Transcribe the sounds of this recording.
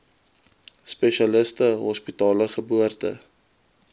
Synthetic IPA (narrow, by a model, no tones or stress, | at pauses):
spɛʃɐləstəɦɔspitɑːləχəbuərtə̰